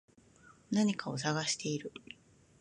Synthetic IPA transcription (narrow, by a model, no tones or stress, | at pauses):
naɲ̟ikʰao̞s̬aɡaɕi̥t̪e̞iɾɯ̟